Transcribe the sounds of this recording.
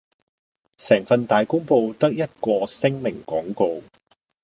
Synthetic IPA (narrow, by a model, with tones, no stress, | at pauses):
sɛː˨˩ŋfɐ˧nt̪aː˨jkʊ˥ŋpo˧wt̪ɐ˥k̚jɐ˥t̚kɔː˧sɪ˥ŋmɪ˨˩ŋkɔː˨˥ŋko˧w